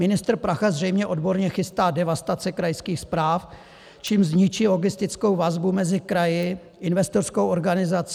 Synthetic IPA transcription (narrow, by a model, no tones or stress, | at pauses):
mɪnɪst̪ɾ̩pɾaxazr̝ɛjmɲɛʔo̞dbo̞ɾɲɛxɪst̪aːdɛvast̪at͡sɛkɾajskiːxspɾaːf | t͡ʃiːmzɲɪt͡ʃiːlo̞ɡɪst̪ɪt͡sko̞wvazbumɛzɪkɾajɪ | ʔɪnvɛst̪o̞rskowʔo̞ɾɡanɪzat͡s